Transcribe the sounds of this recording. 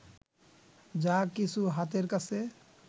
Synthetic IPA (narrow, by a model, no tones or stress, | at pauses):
d͡ʒakit͡ʃʰuɦat̪eɾkasʰe